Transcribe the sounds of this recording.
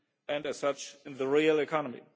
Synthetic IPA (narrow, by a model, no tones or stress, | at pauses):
ɨ̃ndɨz̥sʌt͡ʃɨ̃nðəɹilˠɨkʰɑnəmḭ